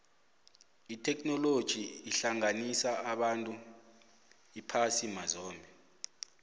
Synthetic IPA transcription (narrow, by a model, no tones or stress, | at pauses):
itʰɛkʰnɔlod̥ʒ̥ʱiːɬaŋanisaaɓantʼu | ipʰasimazɔːmbʱɛ